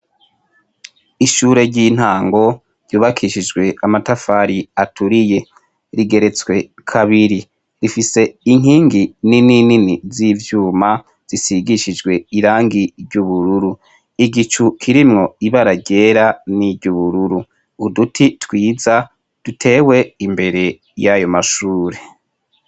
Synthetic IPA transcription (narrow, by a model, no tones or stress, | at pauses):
iʃuːɾe̞ɟin̥haːŋɡo̞ | ɾɟuːβakʰiʃid͡ʒɡwe̞amatafaːɾiatʰuɾije̞ | ɾiɡe̞ɾe̞t͡swe̞kʰaβiɾi | ɾifise̞iŋ̥hiːŋɡininininizivjuːma | z̥isiɡiʃid͡ʒɡwe̞iɾaːŋɡiɾɟuβuɾuɾu | iɡit͡ʃukʰiɾimŋo̞iβaɾaɟe̞ɾaniɟuβuɾuɾuː | dutʰitwiːza | d̥utʰe̞ːwe̞imbe̞ɾe̞ | jajo̞maʃuːɾe̞